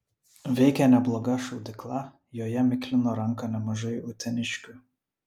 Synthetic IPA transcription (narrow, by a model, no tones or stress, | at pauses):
ʋʲɛɪkʲɛnʲɛblˠɔːɡɐʃɔʊd̪ʲɪklˠɑ | joːjɛmʲɪkʲlʲɪnoɾɐŋkɐnʲɛmɐʒɐɪʊt̪ʲɛnʲɪʃʲkʲʊ